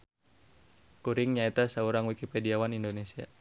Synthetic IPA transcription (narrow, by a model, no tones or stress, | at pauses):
kuɾiŋɲaɛt̪asauɾaŋwikipɛdiawanindonesia̰